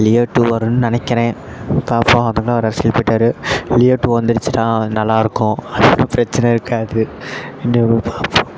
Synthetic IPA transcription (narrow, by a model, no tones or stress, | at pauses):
lɪjɐʈːuʋɐɾɯnɯnɪnɐkːɪɾẽː | paːɾpõɐðɐŋɡɐɭaɔɾɐɾɐsɪlpɐʈːaːɾɯlɪjɐʈːuʋɐnd̪ɯɾɯt͡ʃːɯʈ̪ãːnɐlːaːɪɾɯkːʊ̃ɐðɯnapɪɾɐt͡ʃːɐnɐɪɾɯkːaːðɯ | ɪnːepaːɾpõ